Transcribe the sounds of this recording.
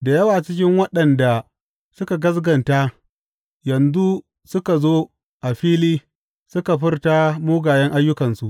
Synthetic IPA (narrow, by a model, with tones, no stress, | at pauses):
da˨jɐ˦waː˨t͡ʃɪ˦kʲɪ˦ŋwɐ˦ɗɐ˨nda˨ | sʊ˦ka˨ɡɐ˦sɡɐ˨nta˦ | jɐ˨nzu˦ | sʊ˦ka˨zoː˦ | ʔa˨ɸiː˦liː˦ | sʊ˦ka˨ɸɪ˦rta˦moː˦ɡaː˨jɐ˦ŋʔa˦jːʊ˦kɐ˨nsu˨ʔ